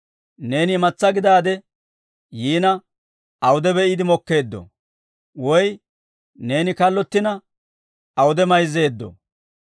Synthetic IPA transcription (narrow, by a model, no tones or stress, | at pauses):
ne̞ːnɪmɐt͡sːɐɡɪd̪aːd̪ɛ | jiːnɐ | ɐwʊd̪ɛbɛɪd̪ɪmɔkːe̞ːd̪ːɔ̰ | wɔj | ne̞ːnɪkɐlːɔt̪ːɪnɐ | ɐwʊd̪ɛmɐjze̞ːd̪ːɔ̰